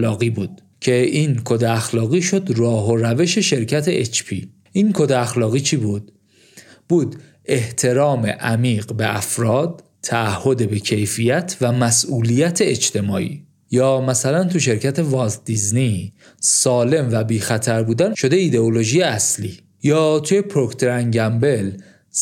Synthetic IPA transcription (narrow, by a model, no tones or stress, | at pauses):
lɒːɣiːbuːd̪̥ | cʰe̞ʔiːnkʰod̪eæxlɒːɣiːʃo̞d̪rɒːɦoɾæve̞ʃe̞ʃe̞ɾcʰæt̪ʰe̞ʔet͡ʃʰpʰḭː | ʔinkʰo̞d̪eæxlɒːɣiːt͡ʃʰibuːd̪̥̚ | b̥uːd̪ | e̞ht̪ʰe̞ɾɒːme̞̰ʔæmiːɢbe̞ʔæfɾɒːd̪̥̚ | t̪ʰæːhːo̞d̪ebe̞cʰe̞jfijæt̪ʰvæmæsʔuːlijæt̪ʰe̞et͡ʃt̪ʰe̞mɒːʔḭː | jɒːmæsælænt̪ʰuʃe̞ɾcʰæt̪ʰe̞vɒzd̪izni | sɒːle̞mvæbiːxæt̪ʰæɾbuːd̪ænʃo̞d̪e̞id̪e̞olo̞ʒijeæsliː | jɒːt̪ʰuje̞pʰɾo̞kt̪ʰoɾæŋɟæmbe̞l